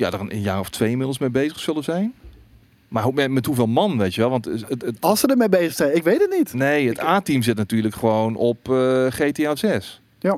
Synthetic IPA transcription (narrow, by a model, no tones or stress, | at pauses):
ja̰dəənə̰njaːrɔftʰʋejimɪdl̩ˠsmejbejzəχsølˠəzɛjn | maɦomɛmɛtɦuveːlˠmɑnʋejtjəʋɛlˠʋɑntlˠsədəmejbejzəxsɛjnɪkʋejtətnitnejətaːtimzɪtnatyːləkχəʋownɔpχeteasɛs